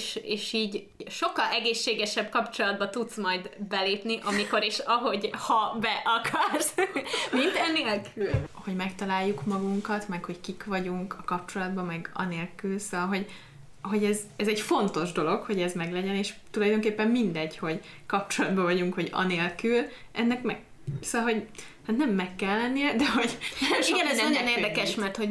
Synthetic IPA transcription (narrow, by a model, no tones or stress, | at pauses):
ʃeːʃiːɟ | ʃo̞kːɒlʔɛɡeːʃːeːɡɛʃɛbkɒpt͡ʃo̞lɒd̪bɒt̪ut̪smɒjd̪bɛleːpniʔɒmiko̞ɾiʃɒɦo̞ɟhɒbɛʔɒkʰɒrsmint̪ɛneːlkʰylho̞ɟmɛkt̪ɒlaːjːukmɒɡuŋkɒt̪mɛkho̞ckikvɒɟuŋkɒkɒp̚t͡ʃo̞lɒd̪bɒmɛɡɒ̰neːlkylsoɒlɦo̞ɟ | ɦo̞ɟɛzɛzɛɟfo̞nt̪o̞ʒd̪o̞lo̞kho̞ɟɛzmɛɡlɛɟɛneːʃt̪ulɒjd̪oːŋkeːpːɛmːind̪ɛɟho̞ɟ | kɒp̚t͡ʃo̞lɒd̪bɒvɒɟuŋkho̞ɟɒ̰neːlkylʔɛnːɛkmɛ | soɒlɦo̞ɟ | hat̪nɛmːɛkːɛlːɛnːijɛd̪ɛɦo̞ɟɛʃioɡɛɛzɛmojoneːrd̪ɛkɛʃmɛrt̪ho̞ɟ